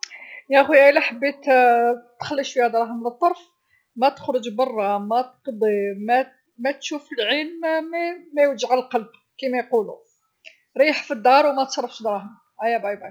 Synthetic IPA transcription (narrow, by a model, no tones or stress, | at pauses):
jæxiælæħəbːit̪t̪xəlːiʃfihæd̪ɾˤɑhəmlət̪ˤːɑɾˤf | mæt̪ə̥xɾəʒbɑrˤːɑmæt̪qd̪ˤimæ | mæt̪ʃufəlʕilmmæmæjwəʒʕalqɑlb̚ | kimæjqulṵ | ɾiħfid̪ːɑɾˤwmæt̪sˤɑɾˤːɑfʃd̪ɾˤɑhəm | ʔæjæbɑjbɑj